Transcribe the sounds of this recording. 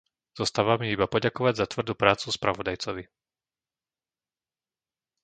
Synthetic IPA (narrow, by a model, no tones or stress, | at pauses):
z̥ɔst̪aːʋamiibapɔɟakɔʋaɟzat̪ʋr̩d̪uːpɾaːt͡suspɾʔaʋɔd̪ajt͡sɔʋi